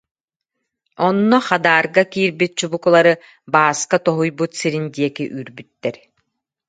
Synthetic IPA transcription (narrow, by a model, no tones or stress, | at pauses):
ɔnːɔχad̪aːɾɡakiːɾbit̪̚t͡ɕubukulˠaɾɯ | baːskat̪ɔɦujbut̪siɾind̪iɛkiʔyːɾbyt̪ːɛɾ